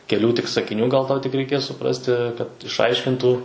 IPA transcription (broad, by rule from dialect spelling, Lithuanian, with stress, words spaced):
kʲɛˈlʲuː tʲɪk sɐkʲɪˈnʲuː ɡɐlˠ ˈtɐʊ tʲɪk rʲɛɪˈkʲeːs sʊˈprɑːsʲtʲɪ kɐt ˈɪʃɐɪʃʲkʲɪntuː